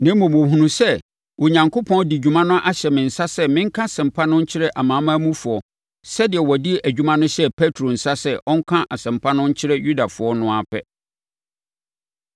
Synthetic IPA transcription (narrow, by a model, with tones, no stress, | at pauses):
nã˨˦mõ˨mõ˨ɦũ˦nũ˦sɛ˦ | wo˨ɲã˨ŋkʰo˦pʰɔ̃˦n˦di˨d͡ʑᶣu˨mã˦nʊ̃˦ʔa˦ɕɛ˨mɪ̃˨n̩˨sa˦sɛ˦mɪ̃˦ŋ̩˦kʰã˦sɪ̃˨m̩˨pʰa˦nʊ̃˦ɲ̩˦t͡ɕʰɪ˦ɾɛ˦ʔa˨mã˨˦mã˦mũ˦fʊ˨ɔ˨ | sɛ˦dɪ˨ɛ˨wɔ˨di˦ʔæ˨d͡ʑᶣu˦mã˦nʊ̃˦ɕɛ˦pʰɛ˦tʰɾo˨n̩˨sa˦sɛ˦ʔɔ˦ŋ̩˦kʰã˦ʔa˨sɪ̃˨m˨pʰa˦nʊ̃˦ɲ̩˦t͡ɕʰɪ˦ɾɛ˦ju˦da˨fʊ˨˦ɔ˦nʊ̃˦a˨pʰɛ̰˦